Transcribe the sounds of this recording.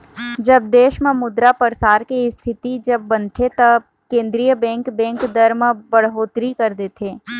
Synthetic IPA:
d͡ʒɐb̚d̪eːʃməmʊd̪ɾapəɾsaːɾkeɪst̪ʰɪt̪id͡ʒɐbːɐnt̪ʰet̪ɐ | kẽːnd̪ɾijəbɛ̃ːŋkbɛ̃ːŋkd̪ɐɾməbɐɽɦoːt̪ɾikɐɾd̪eːt̪ʰeː

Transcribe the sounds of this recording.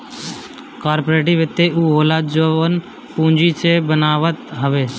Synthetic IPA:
kaːɾpoːɾeːʈ̬ɪʋɪt̪ːeuːɦoːlaːd͡ʒoːən | pũːnd͡ʒit͡ʃebənaːʋət̪ɦəʋeː

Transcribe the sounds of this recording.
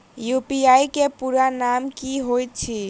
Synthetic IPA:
jupiajkepuɾanamkiɦojt̪̚t͡ʃʰi

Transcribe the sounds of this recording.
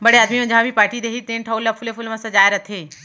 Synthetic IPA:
bɐɽeaːd̪mimẽd͡ʒɐɦãbʱipaːɾʈid̪eːɦit̪eːnʈʰɐʊlːɐfʰʊlefʰʊlmɐ̃sɐd͡ʒaːeɾɐt̪ʰeː

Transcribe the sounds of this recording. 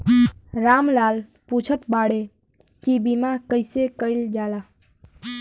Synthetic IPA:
ɾaːmlaːl | put͡ʃʰət̪baːɽe | kibimakəɪsekəɪld͡ʒaːlaː

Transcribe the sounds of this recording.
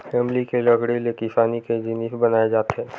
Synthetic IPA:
fɛːmlikelɐɡɽelekɪsaːniked͡ʒɪnifbɐnaːed͡ʒaːt̪eɦɛː

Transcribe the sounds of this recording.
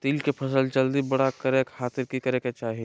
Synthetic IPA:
t̪iːlkepʰəsəld͡ʒəld̪ibəɽakəɾekaːt̪ɪɾkikəɾeket͡ʃaːɦi

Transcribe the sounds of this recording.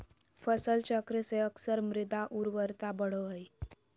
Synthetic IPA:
fəsəlt͡ɕəkɾeseəksəɾmɾid̪aʔuɾʋəɾt̪abəɽ̤əəi

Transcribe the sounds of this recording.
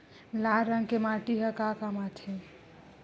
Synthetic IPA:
laɾːəŋɡkemaʈiɦəkakamat͡ʃʰe

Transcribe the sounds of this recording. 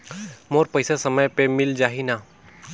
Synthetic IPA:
moːɾpəɪsasəməjpemɪld͡ʒaːɦinaː

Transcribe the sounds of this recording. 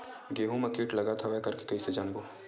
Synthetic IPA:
ɡeːɦumɐkiːʈlɐɡat̪ʰaʋɛkɐɾkekɐised͡ʒaːnbo

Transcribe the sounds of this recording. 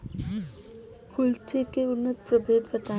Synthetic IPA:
kʰʊlt̪ʰekeʊnːət̪pɾəbeːd̪bɐt̪aː

